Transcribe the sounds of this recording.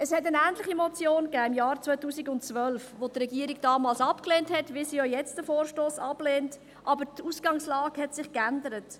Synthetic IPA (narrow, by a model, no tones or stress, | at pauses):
əshɛtənæːntlɪχimɔt͡sjoːnkæːɪmjɑːɾt͡sʋvœʏtuːsiɡʊntt͡sʋœlfʋotrɛɡiːəɾiɡ̚d̥ɑːmɑːlsɑpkleːnthɛtʋɪsiojɛt͡sdəfoːɾʃtoːsɑb̥leːnt | ʔɑbəɾtuːsɡ̥ɑŋslɑːɡ̥hɛtsɪχkændəɾət